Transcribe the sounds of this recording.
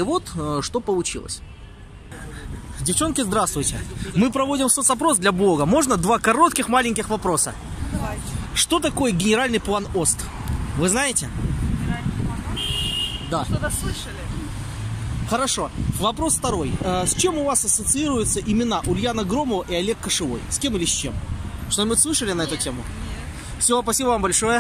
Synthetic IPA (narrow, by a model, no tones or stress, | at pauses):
ɪvo̞t̪ʂt̪o̞pəlˠʊt͡ɕḭlˠə̰sʲ | vdʲɪft͡ɕo̞nkʲɪzd̪ɾast̪vʊjtʲɪmɨpɾɐvo̞dʲɪmsot̪sɐpɾo̞sd̪lʲɐblˠo̞ɡəmo̞ʐnəd̪vakɐɾo̞t̪kʲɪxmalʲɪnʲkʲɪxvɐpɾo̞sə̰ | ʂt̪o̞t̪ɐko̞jəɡʲɪnʲɪɾalʲnɨjplˠano̞st̪ | vɨznajɪtʲɪɾalʲnpˠan | d̪aɨəlʲɪ | xəɾɐʂo̞vɐpɾo̞sft̪ɐɾo̞jəsʲt͡ɕe̞mʊvasɐsət̪sɨiɾʊjʊt̪səʔɪmʲɪnaʔʊlʲjanəɡɾo̞məvəʔɪɐlʲekːəʂɨvo̞̰jsʲkʲe̞mɨlʲɪsʲt͡ɕḛmʂt̪omɨslˠɨʂəlʲɪnɐɛt̪ʊtʲemʊ | fsʲɪvopɐsʲibəvambɐlʲʂo̞jə